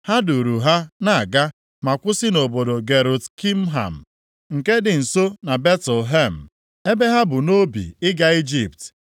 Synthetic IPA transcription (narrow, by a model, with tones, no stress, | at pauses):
ha˦du˨ɾu˨ɦa˦na˨a˨ɡa˦ | ma˨kʷʊ˦sɪ˦no˨bo˨do˨ɡe˨ɾo˨tki˦m̩˦ɦa̰˨m̩˨ | ŋ̩˨ke˦dɪ˨n̩˨so˦na˨be˦tl̩ɦe˦˨m̩˨ | e˦be˦ɦa˦bʊ˨no˦bḭ˨ɪ˦ɡa˨i˦d͡ʒi˨p̚t